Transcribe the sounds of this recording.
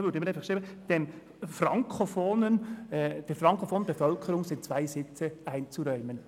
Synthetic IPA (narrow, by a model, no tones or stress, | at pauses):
ʋʏːɾdəɪmːɾæɪfɑχkʃɾiːbəd̪̥ɛm | fɾɑŋkʰofoːnənd̥ɛɾfɾɑŋkofoːnbɛfœlkʰəɾʊŋsɪnt͡svæɪsɪt͡səæɪnt͡suɾœʏmən